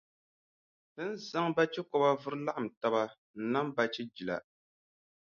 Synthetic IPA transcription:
b̥ɨ˦n˦za˦ŋba˦t͡ʃɛ˦kɔ˨ba˦vʊ˦ɾɨ˦la˦ʔa˨m̩˨ta˦ba˦ | n̩˨˦na˦m˦ba˦t͡ʃɛ˦d͡ʒi˨la̰˨

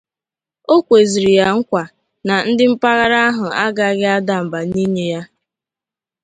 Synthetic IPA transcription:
o˦kʷe˨zi˨ɾi˨ja˨ŋ̩˦kʷa˨ | na˨n̩˦dɪ˦m̩˦pa˦ɣa˦ɾa˦a˦ɦʊ˨a˦ɡa˨˦ɡɪ˦a˦da˨m̩˨ba˨ni˦ɲe˦ja˦

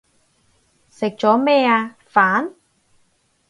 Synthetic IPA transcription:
sɪ˨k̚t͡ʃɔː˨˥mɛː˥˩aː˧ | faː˨˥n

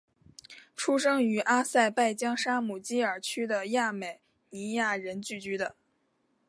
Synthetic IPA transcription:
ʈ͡ʂʰu˥ʂɤ˥ŋy˧˥ʔa˥sa˥˧ɪpa˥˩ɪt͡ɕjɑ˥ŋʂa˥mu˨˩t͡ɕi˥ə˞˨˩t͡ɕʰy˥d̪ə˨ja˥˩me˨˩ɪ | i˧˥ja˥˩ɻə˧˥nt͡ɕy˥˩t͡ɕy˧˥d̪ə˧˨

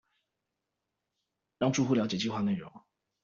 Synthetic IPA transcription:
ɻɑ˥˧ŋʈ͡ʂu˥˧xu˥˩jɑ˧˥t͡ɕjt͡ɕi˥˧xwa˥˧ne˥˩ɪɻʊ̰˧˥ŋ

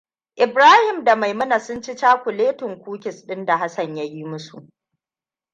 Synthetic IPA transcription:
ʔɪ˨bɾaː˦hɪ˨mda˨ma˨jmɐ˦na˨sʊ˦nt͡ʃi˦t͡ʃaː˦kʷʊ˨leː˦tʊ˨ŋkʷuː˦kʲɪ˨sɗɪ˦nda˨ɦa˦sɐ˨ɲja˦jiː˦mʊ˦sṵ˨ʔ

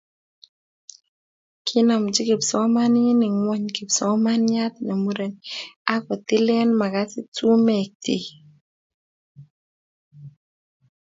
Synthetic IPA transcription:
kʰɪ˦na˨md͡ʒɪ˦kɪ˨psɔ˨˦ma˦nɪ˦nɪ˨ŋwɔ˦ɲkɪ˨psɔ˨˦ma˦nɲa˦t̪na˨mu˦ɾe˨na˦kɔ˨t̪ɪ˦lɛ˦nma˨ka˦tɪ˦tu˦mɛ˨k̚tɪ̰˨

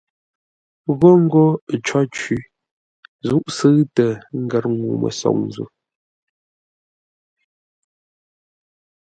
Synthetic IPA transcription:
ɣɔ˦ŋ̩˦ɡo˦˨t͡ʃɔ˦t͡ʃi˦ | zu˦ʔsɨ˦tə˨ŋ̩˦ɡɛ˦˨ɾŋu˨mə̰˨sɔ̰˨ŋ̚n˨zṵ˦˨

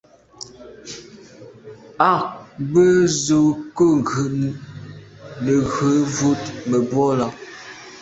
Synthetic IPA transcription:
a˦˨kbə˦zu˨ko˦˨ŋ˨ɡʉ˨ʔ | nə˨ɣə˨˦vu˦t̚mə˨bwɔ˦la˦

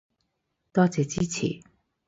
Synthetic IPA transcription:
t̪ɔː˥t͡sɛː˨t͡si˥t͡sʰḭ˨˦

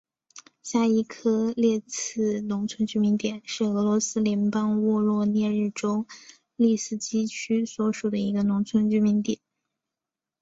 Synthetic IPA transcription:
ɕja˥˩i˥kʰɤ˥ljɛ˥˧t͡sʰɹɹ̩˥˩nʊ˧˥ŋt͡sʰwə˧˥nt͡ɕy˥˩mi˧˥nt̪jɛ˨˩˦nʂɻ̩˥˩ɤ˧˥lwɔ˧˥sɹ̩˥ljɛ˧˥npɑ˥ŋwɔ˥˧lwɔ˥˧njɛ˥˧ɻɻ̩˥˩ʈ͡ʂo˥ʊ | li˥˩sɹ̩˥˩t͡ɕi˥t͡ɕʰy˥swɔ˧˥ʂu˨˩d̪ə˦i˧˥ɡə˧nʊ˧˥ŋt͡sʰwə˧˥nt͡ɕy˥mi˧˥nt̪jɛ˨˩˦n

